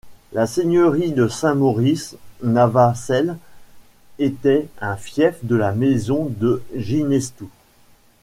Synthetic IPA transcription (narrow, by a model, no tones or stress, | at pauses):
laseɲœʁid̪əsɛ̃mɔʁisnavasɛl | et̪ɛɛ̃fjɛfd̪əlamɛzɔ̃d̪əʒinɛst̪u